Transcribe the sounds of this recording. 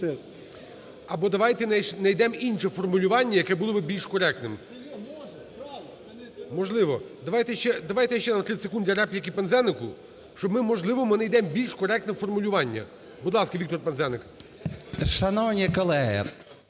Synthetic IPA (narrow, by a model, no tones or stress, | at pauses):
ɐbɔd̪ɐʋɑjt̪ɛnɐjd̪ɛminʲʃɛfɔrmʊlʲʊʋɑnʲːɐjɐkɛbulˠɔbɪbʲilʲʃkɔɾɛk̚t̪nɪm | mɔʒlˠɪʋɔd̪ɐʋɑjt̪ɛʃt͡ʃɛd̪ɐʋɑjt̪ɛʃt͡ʃɛnɐmt̪ɾɪsekund̪ʲɐɾɛpʲjɐkʲipenzɛnɪkʊ | ʃt͡ʃɔbmɪmɔʒlˠɪʋɔmɪnɐjd̪ɛmbʲilʲʃkɔɾɛk̚t̪nɛfɔrmʊlʲʊʋɑnʲːɐ̰ | bʊd̪lˠɑskɐʋʲikt̪ɔrpnzɛnɪk | ʃɐnɔwnʲikɔlˠɛɦɪ̰